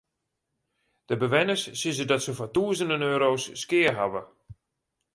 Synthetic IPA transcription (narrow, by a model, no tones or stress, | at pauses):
d̥əbəʋɛnəsːizədɔtsəfɔtuəzəndənøːɾowsːkɪːərɦaʋə